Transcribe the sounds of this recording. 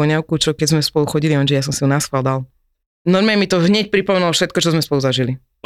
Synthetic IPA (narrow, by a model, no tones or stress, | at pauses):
ɔɲaʊkut͡ʃɔkɛzmɛspɔluxɔɟililɛnʒɛjas̬ɔmsiunasxald̪al | nɔɾmɛɛmit̪ɔɦɲɛc̚pɾipɔmɛnulɔfʃɛt̪̚kɔt͡ʃɔzmɛspɔluzaʒili